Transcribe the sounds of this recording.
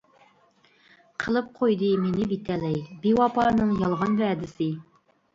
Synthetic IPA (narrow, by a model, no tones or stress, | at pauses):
qʰəlˠəp̚qʰojd̪ɨminɪbit̪ælɛjbiwɑpɑnɨŋjɑlˠʁɑnvæd̪ɪsɪ